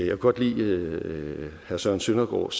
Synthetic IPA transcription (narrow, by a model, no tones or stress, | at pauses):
jɑkʰuɡɒ̽d̥lḭː | hæɐsœɐnsønɐɡ̥ɒ̰ːs